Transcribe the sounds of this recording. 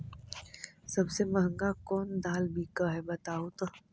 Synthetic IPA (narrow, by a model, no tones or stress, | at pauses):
sɐbsemɐɦə̃ŋɡakɔːnd̪aːlbʱikɐɦɛbɐt̪aːot̪o